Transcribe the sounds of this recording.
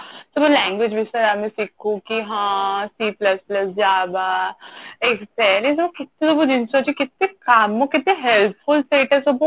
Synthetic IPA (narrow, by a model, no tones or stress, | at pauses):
sɐbolɛ̃ːŋɡwɪd͡ʒbʱɪst̪ɐɾamẽsikʰũkiɦãːsiːplɐsplɐsd͡ʒaːbaː | eːksɛːlẽs̬ɐbokɪt̪̚nẽsɐbod͡ʒɪnsoːt͡ʃikɪt̪nẽkaːmːõkɪt̪nẽɦɛlp̚fʊlseːʈəsobo